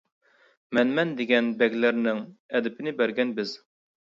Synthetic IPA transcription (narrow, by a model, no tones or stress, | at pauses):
mɛnmɛnd̪ɪɡʲɛnbɛɡʲlæɾnɪŋɛd̪ɪpʰɪnɪbæɾɡʲɛnbɪz̥